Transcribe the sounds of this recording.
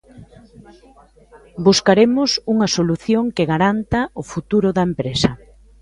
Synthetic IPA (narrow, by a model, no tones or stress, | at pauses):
buskaɾemʊsuŋɐsoluθjoŋkɪɣaɾant̪ɐʊfut̪uɾʊðɐempɾesɐ